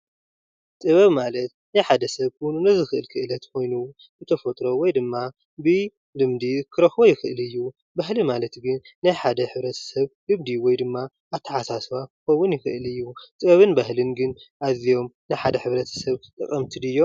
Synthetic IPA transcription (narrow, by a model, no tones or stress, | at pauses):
t̪ʼɨβɐβmalɐt̪najħad̪ɐsɐβkʰojnunɐzɨxɨʔɨlkʰɨʔɨlɐt̪kʰo̞jnu | zɨt̪ʰɐfɐt̪ʼɾo̞wɔjd̪ɨmːa | bɨ | lɨmd̪ikʰɨɾɐxojɪxɨʔɨlɨjːu | baɦlimalɐt̪ɡɨnːajħad̪ɐħɨβɾɐt̪ʰɐ̥sɐβɡɨmd̪iwɔjd̪ɨmːaː | βt̪ʰːɐħasaswakɨxɐwːʊnjɪxɨ̰ʔɨlɨjːut̪ʼɨβɐβɨnbahlɨnɡɨnʔazijo̞mnajħad̪ɐħɨβɾɐt̪ʰɐ̥sɐβt̪ʼɨ̰kʼːɐmt̪ʰid̪ɨjːo̞